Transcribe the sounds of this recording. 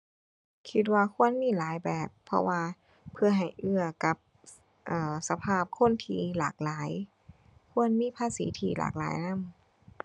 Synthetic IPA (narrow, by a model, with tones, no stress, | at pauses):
kʰi˧˥t̪̬̚waː˧kʰu˧˥˨ənmiː˧˥˨laː˨˦jbɛː˨˩pʰːɔ̰˧waː˧ | pʰɯ˧ɐɦa˨˩jʔɯ˧˩ɐka˧˦p̚ | ʔɤː˨˩sa˧pʰaː˧˩p̚kʰo˧˥˨nt̪ʰiː˧la̰ː˨˩k̚laː˨˦j | kʰu˧˥˨ənmiː˧˥˨pʰaː˧˥˨sḭː˨˦t̪ʰiː˧˩lʔa̰ː˨˩k̚la̰ː˨˦jna˧˥˨m